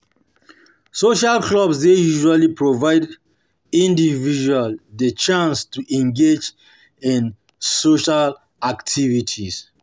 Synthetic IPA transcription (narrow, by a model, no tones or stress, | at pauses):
soʃalkʰlɔbsdejuʒualipɹovaɪd | ĩndivid͡ʒualdet͡ʃãnstuʔɛ̃ŋɡed͡ʒ | ĩn | soʃal | aktʰivitʰis